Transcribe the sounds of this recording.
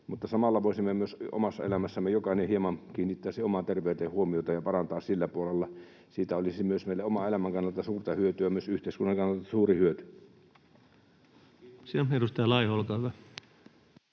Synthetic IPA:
mut̪ːɑsɑmɑlːɑʋoˑisimːemyøso̰mɑsːɑ̰ḛlæmæsːæmejokɑinehiemɑnkiːnːit̪ːæːsiomɑt̪erʋˑeˑyt̪ehuomiot̪ɑjɑpɑrɑnt̪ɑːssilːæpuolelːɑ | siːt̪æolisimyøsmeˑilːeomɑelæmæŋkɑnːˑelt̪ɑsuːrt̪ɑhyøt̪yæmyøsyht̪eˑiskunːɑŋkɑnːelt̪ːɑsuːrihyøt̪y | sierust̪ɑjɑlɑˑihoolkɑːhyʋæ

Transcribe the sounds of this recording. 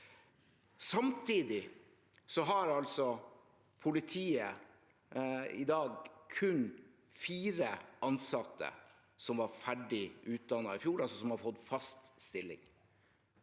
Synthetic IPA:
sɑmt̪ʰiːd̪ɪ | sɔɦɑɾɑlsɔ | pʰʊlɪt̪ʰiːə | ɪd̪ɑːɡkʰʉn | fiːɾəʔɑnsɑt̪ʰːə̰ | sɔmʋɑɾfæɖɪʔʉːt̪̚d̪ɑnːɑɪfjuːɾɑlsɔsɔmhɑɾfɔd̪fɑst̪st̪ɪlːɪ̰ŋ

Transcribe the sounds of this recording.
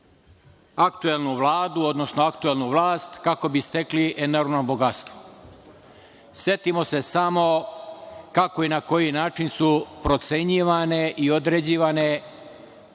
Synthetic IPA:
akt̪ue̞lˠnuʋlˠaːd̪uo̞d̪no̞snoakt̪ue̞lˠnuʋlˠaːst̪kako̞bist̪e̞kliʔe̞noɾʋnobo̞ɡat̪st̪ʋo | sje̞t̪imo̞se̞samo̞ | kako̞inako̞jinaːt͡ʃinsupɾo̞t̪se̞ɲiʋaneʔio̞d̪ɾed͡ʑiːʋane̞

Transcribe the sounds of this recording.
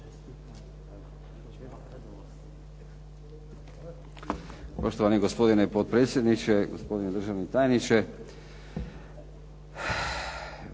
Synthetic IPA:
poʃt̪oʋaniɡospo̞d̪inepot̪̚pɾe̞ːt̪sʲjed̪nit͡ʃeɡospo̞d̪ined̪r̩ʒaʋnit̪aːjenit͡ʃe

